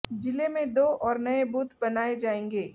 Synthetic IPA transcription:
d͡ʒɪlemẽd̪oːʔɔːɾnɐebuːt̪ʰbɐnaːed͡ʒaːẽːŋɡeː

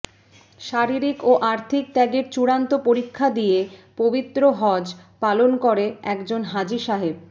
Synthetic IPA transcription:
ʃaɾiɾikoʔaɾt̪ʰik̚t̪ɛɡeɾt͡ɕuɽant̪opoɾikʰːad̪ijepobit̪ːɾoɦɔd͡ʑ | palonkoɾeɛkd͡ʑonɦad͡ʑiʃaɦeb̚

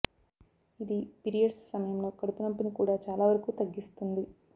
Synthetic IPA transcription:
id̪ipiɾijɐɖsːɐmɐjɐmlo̞ːkɐɽupɐnɐpːɐnikuːɽaːt͡ʃaːlaːʋɐɾɐkuːt̪ɐɡːist̪und̪i

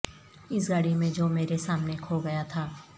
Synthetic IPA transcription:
ɪsɡaːɽimẽd͡ʒoːmeːɾesaːmnekʰoːɡɐjat̪ʰaː

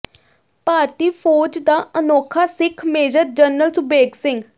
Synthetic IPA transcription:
paːɾt̪iːpʰoːd͡ʒd̪aːʔənoːkʰaːsɪkʰmeːd͡ʒəɾ̚d͡ʒənəlsʊbeːɡsɪ̃ŋɡ

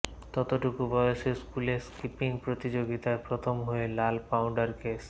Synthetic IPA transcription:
t̪ɔt̪oʈukubɔjoʃeskuleɾskipiŋpɾot̪id͡ʑoɡit̪aepɾot̪ʰomɦoelalpawɳɖaɾkes

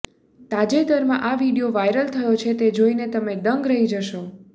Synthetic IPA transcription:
t̪ad͡ʒet̪əɾmã̰ʔaʋiɽijoʋajɾəlt̪ʰəjot͡ʃʰet̪ed͡ʒoinet̪əmeɖ̪əŋɡɾəɦid͡ʒəʃo

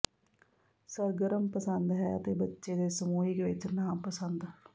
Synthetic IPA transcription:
səɾɡəɾəmpəsənd̪ɦɛːət̪eːbətːʃed̪eːsəmuːiɡeʋɪt͡ʃnaːmpəsə̃nd̪

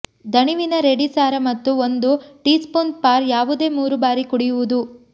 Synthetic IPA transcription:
d̪ʱɐɳiʋinɐɾe̞ɽisaːɾɐmɐt̪ːuond̪uʈiːspoːnd̪̚paːɾjaːʋud̪e̞ːmuːɾubaːɾikuɽijuʋud̪u

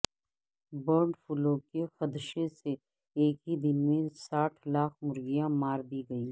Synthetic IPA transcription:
bəːɾɳɖfʊlõkexɐd̪ʃese | eːkɦid̪ɪnmẽsaːʈʰlaːkʰmʊɾɡɪjãmaːɾd̪iːɡɐiː

